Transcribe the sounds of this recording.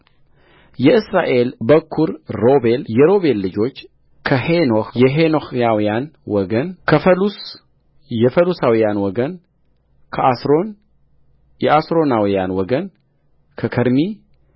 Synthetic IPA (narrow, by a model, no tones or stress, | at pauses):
jɛɨsɾaʔe̞lbəkʰːuɾɾo̞be̞ljɛɾo̞βe̞lːɨd͡ʒo̞t͡ʃː | kʰəhenohjɛɦenohjawijanwɔɡənkʰəfəlus | jɛfəlusawijanwɔɡən | kʰəasɾon | jɛʔasɾo̞nawijanwɔɡən | kʰəkʰəɾmi